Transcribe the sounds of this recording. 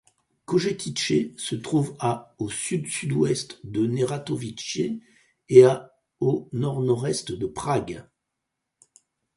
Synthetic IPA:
koʒekʲit͡ʃesət̪χuvaosyd̪syd̪wɛst̪d̪əneʁat̪ovit͡ʃje | ea | onɔʁnɔʁɛst̪d̪əpχaɡ

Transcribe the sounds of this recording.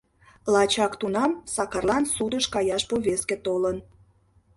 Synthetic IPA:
lɑt͡ɕɑkt̪unɑmsɑkɑrlɑnsud̪əʃkɑjɑʃpoβesket̪olən

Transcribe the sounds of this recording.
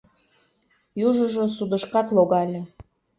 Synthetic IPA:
juʒəʒosud̪əʃkɑt̪loɣɑlʲe

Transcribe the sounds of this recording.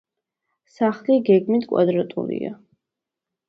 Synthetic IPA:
saχliɡɛɡmit̪ʰkʼwa̰d̪ɾat̪ʼṵlḭa̰

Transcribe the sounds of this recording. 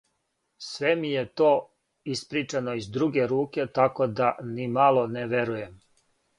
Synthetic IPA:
sʋemijet̪oː | ispɾit͡ʃanoizd̪ɾuɡe̞ɾuːke̞t̪akod̪animalˠo̞neʋeɾuje̞m

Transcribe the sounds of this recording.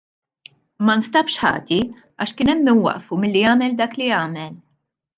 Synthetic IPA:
mɐnst̪ɐpʃħɐ̰ːt̪i | ɐ̰ːʃkɪːnɛmːɪnwɐ̰ʔfumɪlːiɐːmɛld̪ɐːkliɐːmɛl

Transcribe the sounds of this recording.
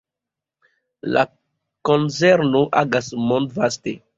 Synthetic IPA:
la̰ | konseɾnoʔaɡasmõndvaste

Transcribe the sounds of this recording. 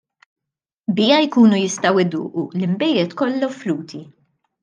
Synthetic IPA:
bɪːɐjkuːnujɪst̪ɐwɪd̪ʊ̰ːʔulɪmbɛjɛt̪kɔlːɐfluːt̪ʰi

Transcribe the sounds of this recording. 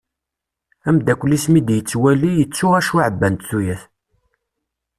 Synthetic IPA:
æmd̪ækʷlismid̪jət͡sːwælijət͡sːuæʃʕəbːænt̪θujæθ

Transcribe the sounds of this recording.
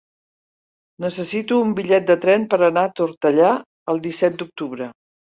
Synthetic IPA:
nəsəsit̪uːmbiʎɛt̪̚d̪ət̪ɾɛnpəɾənaət̪uɾt̪əʎa | əlˠd̪isɛt̪̚d̪uk̚t̪uβɾə

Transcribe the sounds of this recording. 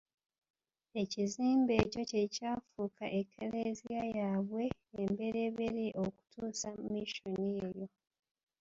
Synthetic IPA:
e̞ciziːmbe̞ːco̞ce̞caːfuːkʰaʔekʰːeleziajaːβwe̞ːmbe̞ɾe̞βeɾiʔo̞ku̥tʰuːsamiʃoniejo̞

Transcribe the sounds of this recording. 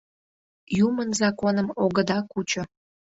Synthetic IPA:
jumənzɑkonəmoɣəd̪ɑkut͡ɕo

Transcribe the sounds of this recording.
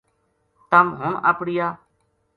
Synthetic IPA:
t̪əmɦʊɳə̰pɽɪjaː

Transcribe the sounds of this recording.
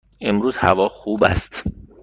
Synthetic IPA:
e̞mɾuːzhæ̰vɒːxuːbæ̰st̪

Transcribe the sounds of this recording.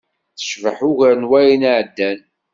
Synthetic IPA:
θə̥ʃvəħʊʝæɾnwæjinaʕəd̪ːæn

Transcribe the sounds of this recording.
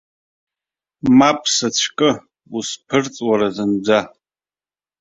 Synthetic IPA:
mapʼsat͡ɕʷʰkʼɨ | uspʰɨrt͡sʼwaɾazɨnd͡zʷa

